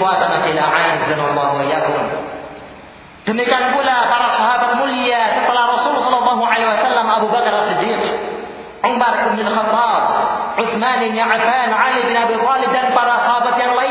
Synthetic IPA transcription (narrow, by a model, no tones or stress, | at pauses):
wat̪anakilaʕad͡ʒzanalːɑɦuajakʊm | d̥əmikianpulapaɾasɑɦabat̪̚muliasət̪əlahrɔsulsɔlɔlːɑɦuʕalewasalːamʔabubakɾalsid̪ːiːq | ʕʊmbarɪbnalxɑt̪ːɑb̚ʕʊθmanɪnjaʕfanʕalibɪnabit̪ˤɑlɪb̚danpaɾasɑɦabat̪̚jaŋla